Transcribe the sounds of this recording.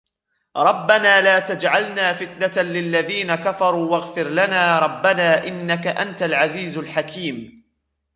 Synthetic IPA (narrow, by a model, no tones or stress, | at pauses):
ɾˤɑbːanaːlaːt̪ad͡ʒʕalnaːfɪt̪nat̪alɪlːaðiːnakafɑɾˤuːwaɣfɪɾlanaːɾˤɑbːanaːʔɪnːakaʔant̪alʕaziːzlħakʰiːm